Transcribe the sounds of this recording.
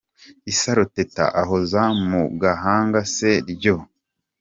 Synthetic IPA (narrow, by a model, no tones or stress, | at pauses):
isaɾoteta̰ʔaɦozamuɡaɦaːŋɡase̞ɾɟo